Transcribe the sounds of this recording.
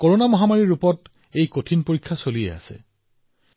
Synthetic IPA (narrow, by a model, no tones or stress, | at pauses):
koɹonamɔɦamaɹiɹupɔt | ejkotʰinpoɹikʰːasolijɛ̰a̰sɛ̰